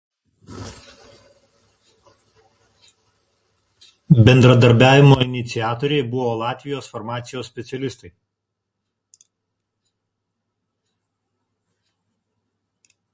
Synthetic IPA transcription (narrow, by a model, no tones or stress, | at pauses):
bʲɛnd̪ɾɐd̪ɐɾʲbʲæːʋʲɪmoːɪnʲɪt̪sʲɪæːt̪oːɾʲɛɪbʊʋoːlˠɑːt̪ʲʋʲɪjoːsfɔɾmɑːt̪sʲɪjoːssʲpʲɛt̪sʲɛlʲɪst̪ɐɪ